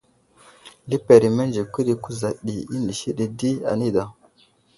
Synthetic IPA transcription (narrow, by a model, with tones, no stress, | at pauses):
li˦pe˨ɾi˨me˦nd͡ʒi˨kʷi˦ɗi˨ku˦za˨ɗi˨i˦ndi˨ʃi˦ɗi˨di˦a̰˨ni˦da˨